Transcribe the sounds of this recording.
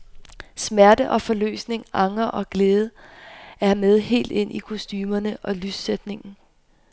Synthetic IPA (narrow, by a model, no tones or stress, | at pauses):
smæɐdəʔɒ̽fɒ̽lø̰ːsne̝ŋɑ̈ŋɐʔɒ̽ɡ̥leːð̞ˠə | æɐmeð̞ˠhe̝̰ːld̥e̝n̰ʔikʰosd̥yːmɐnəʔɒ̽lyssed̥ne̝ŋn̩